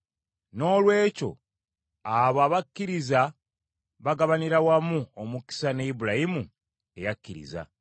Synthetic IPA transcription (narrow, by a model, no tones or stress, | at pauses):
no̞ːlwe̞ːco̞̰ | aβaːβakːiɾiza | βaɡaβaniɾawamuomuki̥saneibuɾajimu | e̞̰jakːiɾḭza̰